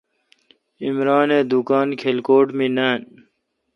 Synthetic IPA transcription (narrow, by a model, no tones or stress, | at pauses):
imɾaːneːd̪ukaːnkʰelkoːʈminaːn